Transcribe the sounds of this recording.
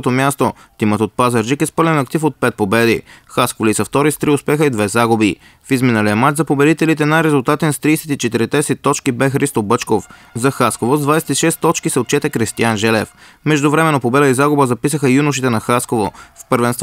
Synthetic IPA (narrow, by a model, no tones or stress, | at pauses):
t̪omʲjast̪o | t̪imət̪ot̪̚pazɐɾʒikɛspɤɾlɛnɐkt̪ifot̪̚pɛt̪̚pobɛd̪ixaskolisɐft̪ɔɾist̪ɾiʊspɛxəid̪vɛzaɡʊbi | fizminəlijəmat͡ʃzɐpobɛd̪it̪ɛlit̪ɛnajɾɛzʊlˠt̪at̪ɛnst̪ɾiːsɛ̥t̪it͡ʃɛt̪iɾɛt̪ɛsɛt̪ɔt͡ʃkibɛxɾist̪obɤt͡ʃkofzɐxaskovozd̪vajsɛ̥t̪iʃɛst̪ːɔt͡ʃkisɛot̪̚t͡ʃɛt̪ɛkɾist̪ianʒɛlɛf | mɛʒd̪ʊvɾɛmɛnːopobɛd̪əizaɡʊbəzɐpisəxəjunʊʃ̬it̪ɛnɐxaskovofpɤɾvɛnst̪v